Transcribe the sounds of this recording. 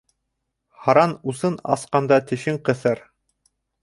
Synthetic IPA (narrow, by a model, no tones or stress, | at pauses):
hɑɾɑnusɤnɑ̰sqɑnd̪ɑt̪ɘ̆ʃɘɴqɤ̆θɤɾ